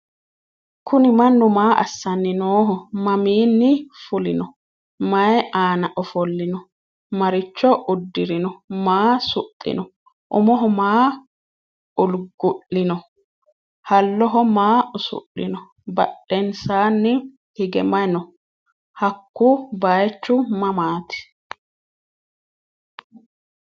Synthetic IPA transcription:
kʰʊnɪmɐnːʊmaːʔɐ̰sːɐnːɪnoːɦɔmɐmiːnːɪfʊlɪnɔ | mɐɛʔaːnɐʔɔfɔlːɪnɔ | mɐɾɪt͡ʃːɔʔʊd̪ːɪɾɪnɔmaːsʊtʼːɪ̰nɔ | ʔʊ̰mɔɦɔmaː | ʊlɡʊʔːɪnɔ | hɐlːɔɦɔmaːʊsʊ̰ʔːɪnɔ | bɐ̰ɗːɛnsaːnːɪ | hɪɡɛmɐnɔ | hɐkːʊbajt͡ʃːʊmɐmaːt̪ɪ̥

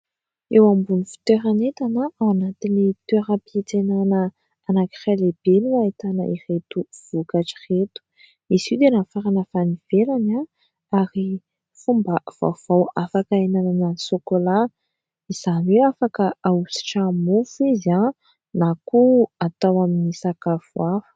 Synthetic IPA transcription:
ewambunifi̥t̪eɾanet̪anaawanat̪init̪weɾapet͡senanə | anaki̥raleb̥enuait̪anə̰ʔiret̪uv̥ukaʈ͡ʂiret̪u̥ | isiwd̪enafaɾanəfaniv̥elana | aɾi | fumbav̥a̰v̥awafakaenananəsokola | iz̥anwewafakəausi̥ʈ͡ʂamufiza | nakuat̪awaminisakavuafə̥

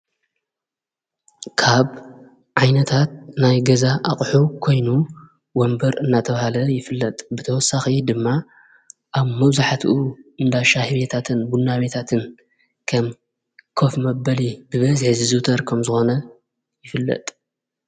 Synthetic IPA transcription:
kʰaβ | ʕajnɐt̪ʰat̪̚najɡɐzaʔaχʼħukʰo̞jnu | wɔmbɐɾɨnːat̪ʰɐβahalɐjɪfɨlːɐt̪ʼbɨt̪ʰɐwɔsːaxid̪ɨmːa | ʔaβmɐβzaħat̪ʰʔuɨnd̪aʃahɨβet̪ʰat̪ʰɨnbunːaβet̪ʰat̪ʰɨn | kʰɐm | kʰofmɐbɐlibɨβɐzħzɨzɨt̪ʰɐɾkʰɐmzɨxo̞nɐ | jɪfɨlːɐ̰t̪ʼ

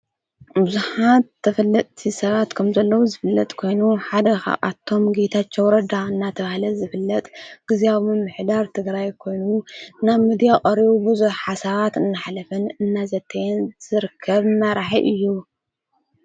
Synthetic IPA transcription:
bɨzuħat̪ʰːɐfɐlːɐt̪ʼt̪ʰisɐβat̪kʰɐmzɐlːɐwuzɨfɨlːɐt̪ʼkʰo̞jnuħad̪ɐxa̰ʔa̰t̪ʰːo̞mɡet̪ʰat͡ʃːowɾɐd̪aɨnːat̪ʰɐβahlɐzɨfɨlːɐt̪ʼɡ̥ɨzeaβmɨmɨħd̪aɾt̪ʰɨɡɾajkʰo̞jnunaβmid̪ijakʼɐɾiβubɨzuħħasaβat̪ɨnːaħlɐfɨnɨnːazɐt̪ʰːɐjɛnz̥ɨɾɨkʰːɐβɨnːaɾaħiʔɨjːu

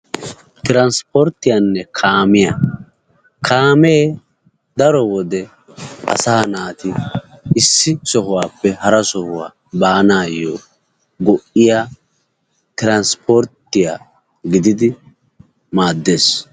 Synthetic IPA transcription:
t̪ɪɾɐnspɔɾt̪ːɪjanːɛkʰaːmɪja̰ | kʰaːmeː | d̪ɐɾɔwɔd̪ɛ | ʔɐ̰saːnaːt̪ɪʔɪsːɪsɔɦʊwaːpːɛhɐɾɐsɔhʊwa̰ː | baːnaːjːɔ̰ː | ɡɔʔɪjaː | t̪ɪɾɐnspʰɔɾt̪ːɪja̰ː | ɡɪd̪ɪd̪ɪ | maːd̪ːeːs

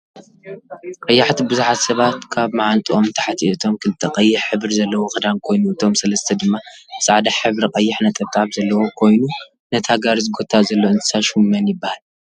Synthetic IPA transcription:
qʼɐjːaħt̪ʰibɨzuħat̪sɐβat̪kʰaβmaʕant̪ʼiʔomt̪ʰɐ̥ħat̪ʰiɛɨt̪ʰo̞mkʰɨlt̪ʼɨqʼɐjːɪħħɨβɨɾzɐlːɐwoxɨd̪ankʰo̞jnuɨt̪ʰo̞msɐlɐst̪ʰɐd̪ɨmːabɨsaʕd̪aħɨβɾiqʼɐjːɪħnɐt̪ʼɐβt̪ʼaβzɐlːɐwo̞kʰo̞jnu | nɐt̪ʰaɡaɾɨzɨɡo̞t̪ʰazɐlːoɨnt̪ʰɨ̥saʃumːɐnjɪbːahal

